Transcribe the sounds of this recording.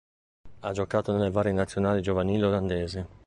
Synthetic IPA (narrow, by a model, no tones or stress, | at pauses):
ad͡ʒokaːt̪onelːevaːɾjenat̪sːjonaːlid͡ʒovaniːleoland̪ɛːzɪ